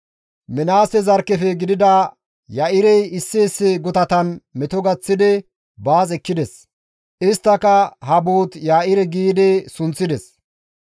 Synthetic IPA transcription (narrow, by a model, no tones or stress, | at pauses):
mɛnaːsɛzɐɾkːɛfɛɡɪd̪ɪd̪ɐ | jaʔɪɾɛjɪsːeːsːɪɡʊt̪ɐt̪ɐnmɛt̪ɔɡɐt͡sːɪd̪ɛ | baːt͡sʼɛkːɪd̪ɛs | ʔɪst̪ːɐkɐɦɐbuːt̪jaːʔɪɾɛɡiːd̪ɛsʊnt͡sːɪd̪ɛs